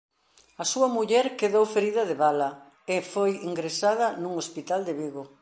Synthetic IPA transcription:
ɐsuɐmuʎɛɾkeðowfeɾiðɐðeβalɐ | efojiŋɡɾesað̞ɐnuŋospit̪ald̪eβiɣo

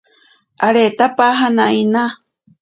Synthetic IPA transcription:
aɾet̪apaɦanaina

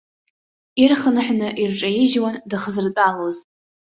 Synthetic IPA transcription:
irχənɨħʷᶣnɨʔirʈ͡ʂʼajiʒwandɨχəzɨrt͡pʷʼaloz

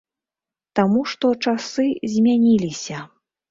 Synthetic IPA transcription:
t̪amuʂt̪ɔt͡ʂasɨzʲmʲanʲilʲisʲɐ

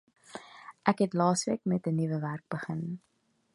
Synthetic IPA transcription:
ʔækɦɛtlɑːsʋiəkmɛtənivəværk̚bəχən

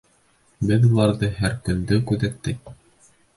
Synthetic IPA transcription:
bɘðulˠɑɾðɤɦæɾkɵ̆nd̪ɵkʉðæk̚t̪ːɘk̚

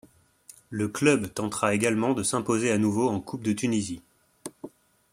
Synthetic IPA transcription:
ləklœbt̪ɑ̃t̪χaeɡalmɑ̃d̪əsɛ̃pozeanuvoɑ̃kʰup̚d̪ət̪ynizi

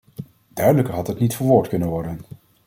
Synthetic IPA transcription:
d̥œɥdələkəɹɦɑtətnitfəɹʋʊːɹtkɵnənʋɔɹdən

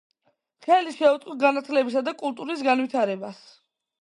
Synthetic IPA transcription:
χɛliʃɛut̪sqʼɔɡanat̪ʰlɛbisad̪akʼulˠt̪ʼuɾis̬ɡanwit̪ʰaɾɛbas

